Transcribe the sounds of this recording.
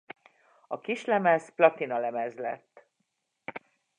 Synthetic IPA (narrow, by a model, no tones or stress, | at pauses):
ɒkiʃlɛmɛzplɒt̪inɒlɛmɛzlɛ̰t̪ː